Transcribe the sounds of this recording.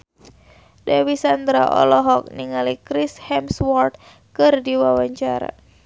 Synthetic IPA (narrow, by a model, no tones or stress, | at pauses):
dawisand̪ɾa̰ʔɔ̰lɔɦɔk̚niŋalikɾishɛmswɔrt̪̚ | kɨrdiwawaɲt͡ʃaɾa̰